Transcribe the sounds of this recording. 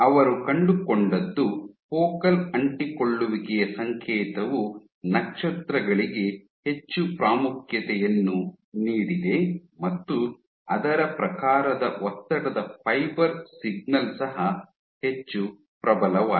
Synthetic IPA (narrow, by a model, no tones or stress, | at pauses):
ɐʋɐɾukɐɳɖukoɳɖɐd̪ːupɔːkɐlɐɳʈiko̞ɭːuʋiɡɛjɐsɐŋkʰɛːt̪ɐʋu | nɐkʂɐt̪ɾɐɡɐɭiɡe̞ | he̞t͡ʃːupɾaːmukʰjɐt̪ɛjɐnːu | niːɽid̪e̞mɐt̪ːu | ɐd̪ɐɾɐpɾɐkaːɾɐd̪ɐʔɔt̪ːɐʈɐd̪ɐpʰɐjbɐɾsiɡ̚nɐlsɐɦɐ | he̞t͡ʃːu | pɾɐbɐlɐʋa̰ː